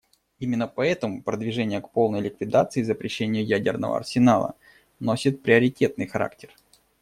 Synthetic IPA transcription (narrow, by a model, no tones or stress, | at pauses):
imʲɪnːəpɐɛt̪əmʊpɾəd̪vʲɪʐɛnʲɪjəkpo̞lˠnəjlʲɪkvʲɪd̪at̪sɨizəpɾʲɪɕːenʲɪjʊjædʲɪrnə̰və̰ɐ̰rsʲɪnalˠə̰ | no̞sʲɪt̪̚pɾʲɪəɾʲɪtʲe̞t̪nɨjxɐɾa̰ktʲɪr